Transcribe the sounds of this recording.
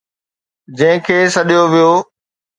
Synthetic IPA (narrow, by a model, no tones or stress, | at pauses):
d͡ʑɐ̃ɦɪ̃kʰeːsɐɗijoʋijoː